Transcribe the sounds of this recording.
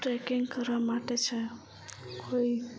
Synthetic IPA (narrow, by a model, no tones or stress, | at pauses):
ʈɾekiŋɡkəɾʋamaʈet͡ʃʰɛ | kʰoi